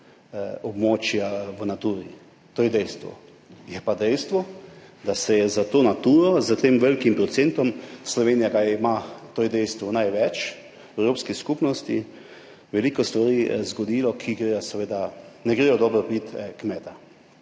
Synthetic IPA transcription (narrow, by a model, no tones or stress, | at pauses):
ɔbmoːt͡ʃjaʋənat̪uːɾi | t̪oːjɛd̪ɛjst̪ʋɔ̰ | jɛpad̪ɛjst̪ʋɔd̪asɛjɛzat̪oːnat̪uːɾɔzət̪emʋɛlkimpɾɔt̪sent̪ɔmslɔʋeːnijakajimat̪oːjɛd̪ɛjst̪ʋɔnajʋɛt͡ʃ | ɛwɾoːpskiskupnɔst̪i | ʋɛlikɔst̪ʋaɾiːzɡɔd̪iːlɔkʰiɡɾeːjɔsɛʋeːd̪anɛɡɾeːjɔd̪ɔːbəɾbit̪kmɛːt̪a